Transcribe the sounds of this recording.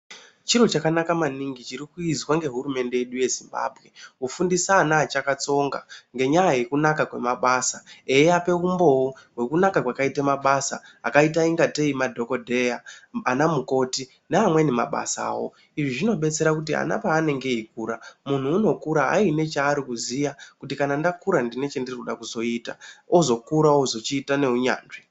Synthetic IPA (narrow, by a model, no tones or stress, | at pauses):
t͡ʃiɾo̞t͡ʃakanakamaniŋɡit͡ʃiɾikuizwaŋɡe̞ɦurume̞nde̞jeɗuje̞zimba̰ːbʱɣe̞ufundisaːnaːt͡ʃakat͡so̞ŋɡaŋɡe̞ɲajaje̞kunakakwe̞̰maɓaːsae̞jeape̞umbo̞woɦwe̞kunakakwakaitemaɓasaa̰kaitaiŋɡate̞imadʱo̞ko̞dʱe̞jaːnamuko̞ti | neamwe̞nema̰ɓa̰sa̰ːwo̞̰ | iʐiʐino̞ɓe̞t͡se̞ɾakut̬ia̰na̰paːne̞ŋɡe̞ik̚uːɾamun̤uːno̞kuɾaa̰ine̞t͡ʃaːɾikuzijakutikanandakuɾandine̞t͡ʃe̞ndirikuɗakuzo̞ita̰o̞zo̞kuɾaozo̞t͡ʃiːtane̞ɦuɲa̰ːnʐi